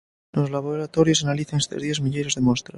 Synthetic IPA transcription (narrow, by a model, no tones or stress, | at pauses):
nozlaβoɾat̪oɾjosanaliθaŋest̪ezðjezmiʎejɾozðemost̪ɾa